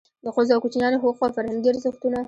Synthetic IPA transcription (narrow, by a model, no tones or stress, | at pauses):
d̪əqozɑkut͡ʃinjɑnexoqwafaɾhanɡ̪eɾzəxt̪una